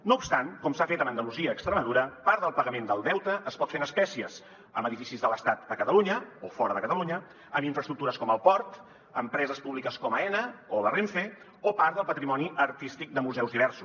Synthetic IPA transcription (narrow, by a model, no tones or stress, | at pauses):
noupst̪ankɔmsafet̪əmənd̪əluziəːkst̪ɾəməðuɾəpaɾðəlˠpəɣəmend̪əlˠd̪ɛwt̪əʔːspɔt̪fenəspɛsiəz | əməðifisizðələst̪at̪̚d̪əkət̪əluɲəofɔɾəðəkət̪əluɲə | əmiɱfɾəst̪ɾuk̚t̪uɾəskɔməlˠpɔɾt̪ | əmpɾɛzəspuβlikəskɔməɛnəoβəreɱfe | opaɾt̪d̪əlˠpət̪ɾimɔniʔəɾt̪ist̪ik̚d̪əmuzɛwzðiβɛɾsu̥s